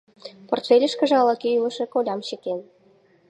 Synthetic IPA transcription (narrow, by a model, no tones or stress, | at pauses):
port̪fʲelʲəʃkə̆ʒɑlɑkeylə̆ʃĕkolʲɑmɕeken